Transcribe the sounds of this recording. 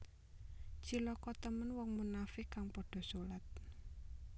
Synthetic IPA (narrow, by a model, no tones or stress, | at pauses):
t͡ʃilɔkɔt̪əmənwɔŋmunafɪkaŋpɔɖ̥ɔ̤sulat̪̚